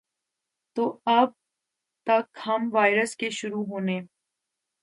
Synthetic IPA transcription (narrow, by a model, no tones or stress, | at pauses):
t̪oːɐb̚ | t̪ɐkhɐmʋaːɪɾəskeʃʊɾuːɦoːneː